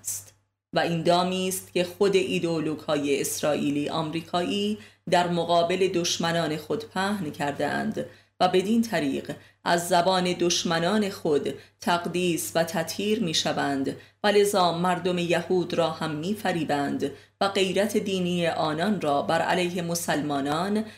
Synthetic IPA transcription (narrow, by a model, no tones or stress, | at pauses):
st̪ | væind̪ɒːmiːst̪ce̞xo̞d̪e̞ʔid̪eoloɡ̥hɒːjeesɾɒːʔiːliːʔɒ̰ːmɾiːkʰɒːʔiːd̪æɾmoɣɒːbe̞le̞d̪o̞ʃmænɒːne̞xo̞d̪pʰæːhncʰæɾd̪ḛʔæ̰nd̪ | væbe̞d̪iːnt̪ʰæɾḭːɢ | ʔæzːæbɒːne̞d̪oʃmænɒːne̞xod̪t̪ʰæɣd̪iːsvæt̪ʰæt̪ʰhiːɾmiːʃævænd̪væle̞zɒːmæɾd̪o̞me̞jæhuːd̪ɾɒːhæmːiːfæɾiːbænd̪ | væɡe̞jɾæt̪ʰe̞d̪iːniːje̞ʔɒːnɒnrɒːbæɾʔæ̰læjhe̞mosælmɒːnɒːn